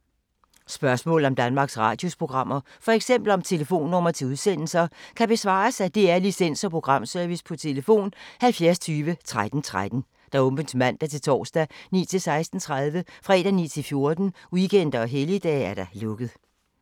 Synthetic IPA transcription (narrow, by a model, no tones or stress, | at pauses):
sb̥ɶɐsmɔ̰ːl̩ˠɒ̽md̥ænmɑ̈ːɡ̥sʁɑ̰̈ːd̥jo̝spʰʁo̝ɡ̥ʁɑ̈m̰ɐ | fɒ̽eɡ̥sem̰b̥l̩ɒ̽mt͡sʰe̝ləfo̝̰ːnːɔ̽m̰ɐt͡sʰe̝uðˠsen̰l̩sɐkʰæb̥e̝sʋɑ̰̈ːsæd̥e̝æɐlisen̰sɒ̽pʰʁo̝ɡ̥ʁɑ̈m̰sœɐʋispʰɒ̽t͡sʰe̝ləfo̝̰ːnhælfjæɐst͡sʰyːʋət͡sʰʁad̥n̩t͡sʰʁad̥n̩ | d̥ɑ̈ɔ̽mb̥ənsmæn̰d̥æt͡sʰe̝lt͡sʰɒ̰ːsd̥ænḭːt͡sʰe̝lsɑ̈ɪsd̥n̩t͡sʰʁað̞ˠʋəfʁɛ̰ːd̥ænḭːt͡sʰe̝lfjo̝ɐd̥n̩uɡ̥en̰d̥ɐɒ̽ɦelid̥ɛ̰ːæɐɾ̥ɑlɔ̽ɡ̥əð̩ˠ